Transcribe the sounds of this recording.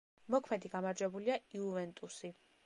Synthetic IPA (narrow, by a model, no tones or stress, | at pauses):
mɔkʰmɛd̪iɡamaɾd͡ʒwɛbuliaiuvɛnt̪ʼusi